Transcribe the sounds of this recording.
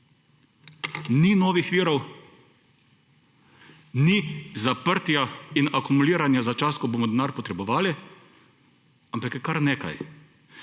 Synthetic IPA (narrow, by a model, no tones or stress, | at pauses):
ninɔːʋixʋiːɾɔw | nizapəɾt̪jainakumuliːɾanjazat͡ʃaːskɔboːmɔd̪naːɾpɔt̪ɾɛbɔʋaːli | ampakkaɾneːka̰j